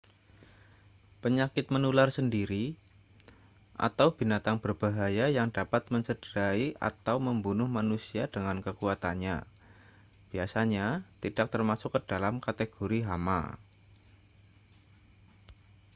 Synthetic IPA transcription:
pəɲakɪt̪̚mənularsəndiɾi | ʔa̰t̪awb̥inat̪aŋb̥ərb̥aɦajajaŋdapat̪̚məɲt͡ʃəd̥əɾaiʔa̰t̪awməmbunʊhmanusiadəŋankəkuat̪anɲa̰ | b̥iasaɲat̪id̥ak̚t̪ərmasʊkːəd̥alamkat̪eɡ̥oɾiɦama̰

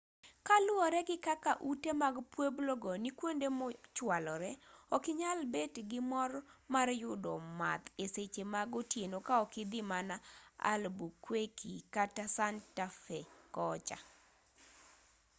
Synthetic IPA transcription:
kalʊɔɾɛɡɪkakaʔutemaɡpwebloɡɔnikwondemɔt͡ʃwalɔɾɛɔkɪɲalbetɡɪmɔrmarjʊdɔma̰t̪eset͡ʃemaɡotjenokaɔkɪd̪ɪmanaa̰lbukwekikatasantafɛkɔt͡ʃa̰

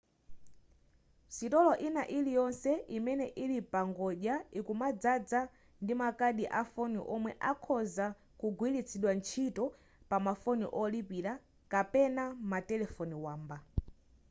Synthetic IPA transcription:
sitɔlɔʔinaʔilijɔnsɛʔimɛnɛʔilipaŋɡɔʄaikumad͡zad͡za | ndimakaɗiʔafɔnḭʔɔmwɛʔakʰɔza | kuɡwilit͡sʰiɗwant͡ʃʰitɔ | pamafɔnḭʔɔlipiɾa | kapɛnamatɛlɛfɔniwaːmba

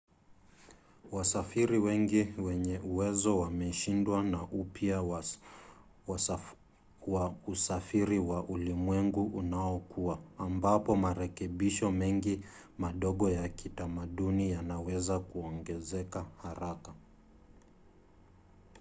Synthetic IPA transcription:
wasafiɾiwɛŋɡiwɛɲɛʔuwɛzɔwamɛʃindwanaʔupja | wausafiɾiwaʔulimwɛŋɡuʔunaɔkuaːmbapɔmaɾɛkɛɓiʃɔmɛŋɡi | maɗɔɠɔjakitamaɗunijanawɛzakuɔŋɡɛzɛkahaɾaka

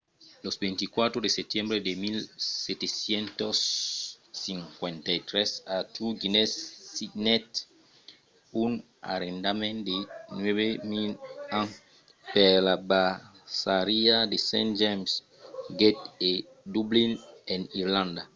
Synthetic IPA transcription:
losbẽnt̪ikwat̪ɾodeset̪jɛ̃mbɾedemilset̪esjɛ̃nt̪osː | ĩŋkwẽnt̪ait̪ɾɛsat̪ʰuɡinesinɛt̪ | un | a̰ɾẽnd̪amẽnd̪enwɛβemilãŋ | pelaba | saɾiad̪esɛ̃nd͡ʒɛms | ɡet̪e | d̪ublineniɾlãnd̪a

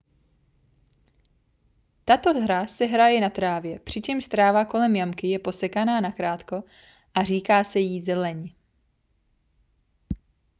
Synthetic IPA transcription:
t̪at̪o̞ɦɾasɛɦɾajɛnat̪ɾaːvjɛpr̝̥ɪt͡ʃɛmʃst̪ɾaːvako̞lɛmjamkɪjɛpo̞sɛkanaːnakɾaːt̪ko̞ | ʔar̝iːkaːsɛjiːzɛlɛɲ

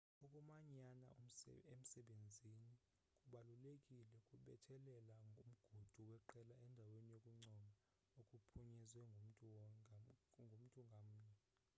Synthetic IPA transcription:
ɔkʼumaɲana̰em̩sɛɓend͡zʱini | kʼuɓalulekʼilɛkʼuɓɛtʰɛlɛlaŋʱum̩ɡ̥ʱud̥ʱuwɛǃɛlaɛndʱawenijokʼuŋ͡ǀɔma | okʼupʰuɲizwɛŋm̩ʼ | ŋɡʱom̩tʼuŋɡʱam̩ɲɛ

